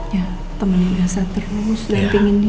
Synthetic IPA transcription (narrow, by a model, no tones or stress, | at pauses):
ja | t̪əmənibasat̪əɾʊsdanpiŋɪn